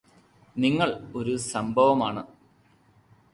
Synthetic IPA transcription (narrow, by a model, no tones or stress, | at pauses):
niŋːɐɭo̞ɾusɐmbʱɐʋɐmaːɳɨ